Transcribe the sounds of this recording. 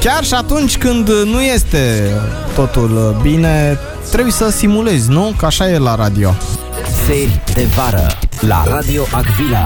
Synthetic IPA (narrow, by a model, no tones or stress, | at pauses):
kʲarʃiat̪unt͡ʃʲkɨnd̪nuje̞st̪e̞t̪o̞t̪ulbine̞ | t̪ɾe̞bujsəsimule̞zʲnukəaʃajelaɾad̪io̞ | serʲd̪evaɾə̰la̰ɾad̪ioʔaɡvila